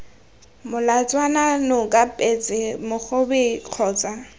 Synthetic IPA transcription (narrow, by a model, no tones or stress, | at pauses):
mʊlat͡sʼwananʊkʼapʼet͡sʼɪmʊk͡xʊbɪq͡χʰɔːt͡sʼa